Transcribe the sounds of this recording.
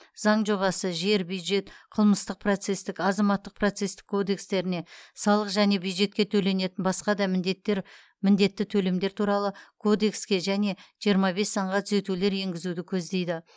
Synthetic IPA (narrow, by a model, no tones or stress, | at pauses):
zɑɴʒo̞βɑsəʒe̞ɾbjud̪ʒe̞t̪qʰəlˠməst̪əq̚pʰrot̪se̞st̪ɪkɑzɑmɑt̪ːəq̚pʰro̞t̪se̞st̪ɪ̥kʰːo̞d̪e̞kst̪e̞ɾɪne̞sɑlˠəqʒæne̞bjujd̪ʒe̞t̪̚kʲe̞t̪ʰɵle̞ne̞t̪ɪnbɑsqɑd̪ɑmɪtɾ | mɪnd̪e̞t̪ːɪt̪ʰɵle̞md̪e̞ɾt̪ʰuɾɑlˠəkʰo̞d̪e̞kskʲe̞ʒæne̞ʒ̥ijəɾmɑbe̞sːɑɴʁɑt̪ʰʏze̞t̪ule̞ɾje̞ŋɡʲɪzud̪ɪkʲʰɵzd̪e̞jd̪ɪ